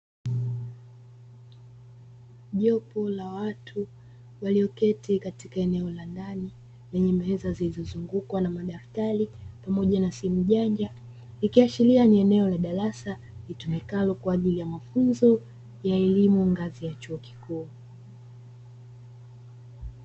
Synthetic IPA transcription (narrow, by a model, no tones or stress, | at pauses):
ʄɔpɔlawatʰu | waliɔkɛtikatikaɛnɛɔlandani | lɛɲɛmɛzazilizɔzuŋɡukwanamaɗaftaɾipamɔʄanasim̩ʄaɲd͡ʒa | likiat͡ʃilianiɛnɛɔlaɗaɾasa | litumɛkalɔkwaaʄilijamafunzɔ | jaɛlimuŋɡazijat͡ʃuɔki̥kuː